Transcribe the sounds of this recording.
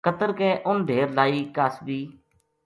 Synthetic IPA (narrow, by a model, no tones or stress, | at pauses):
kət̪əɾkɛːʔʊnd̪ʱeːɾlaːiːkaːsbiː